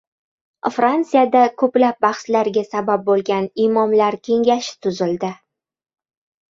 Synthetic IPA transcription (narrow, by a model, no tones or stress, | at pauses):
fɾant̪sɨijad̪akʰɵplap̚bɑχslaɾɡʲasabap̚bolˠɡʲanimɒmlaɾkʲʰe̞ŋɡʲaʃɪ̥t̪ʰʊzɪld̪ɪ